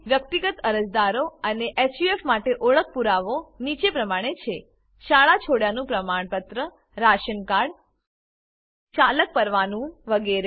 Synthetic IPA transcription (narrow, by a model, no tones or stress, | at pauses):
ʋjək̚t̪iɡət̪əɾəd͡ʒd̪aɾoəneʔesjuefmaʈeʔoɭək̚puɾaʋonit͡ʃepɾəmaɽ̃et͡ʃʰe | ʃaɭat͡ʃʰoɽjanũpɾəmaɳpət̪ɾə | ɾaʃənkaɽ | t͡ʃalək̚pəɾʋanũʋəɡeɾe